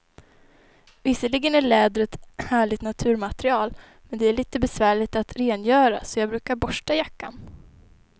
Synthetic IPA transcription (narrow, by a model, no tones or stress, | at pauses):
vɪsːəɭɪɡənæɭɛːd̪ɾət̪hæːɭɪɡ̚t̪nat̪ʰʉ̟ːɾmat̪ɾɪɑːl | mɛnd̪ɛæɭiːt̪əbɛsvæːɭɪɡt̪at̪ɾeːnjœːɾa̰sɔjɑːɡbɾʉ̟ːkaɾbɔʂʈajakːan